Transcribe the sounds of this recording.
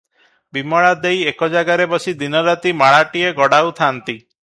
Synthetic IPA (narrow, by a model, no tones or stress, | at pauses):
bimɔɭad̪ejekɔd͡ʒaɡaɾebɔsid̪inɔɾat̪imaɭaʈieɡɔɽaut̪ʰant̪i